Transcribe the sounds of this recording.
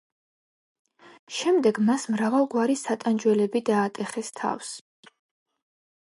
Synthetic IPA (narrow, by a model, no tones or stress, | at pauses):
ʃɛmd̪ɛɡmasmɾavalˠɡwaɾisat̪ʼand͡ʒwɛlɛbid̪aːt̪ʼɛχɛst̪ʰa̰fs